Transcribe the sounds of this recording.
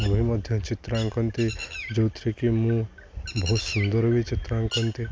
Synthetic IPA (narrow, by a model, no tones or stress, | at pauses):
obʱimʌd̪ʱjɔt͡ʃɪt̪ɾãŋkʌnt̪id͡ʒowt̪ɾikimũ | bɔɦut̪sund̪əɾʋit͡ʃɪt̪ɾãŋkʌnt̪i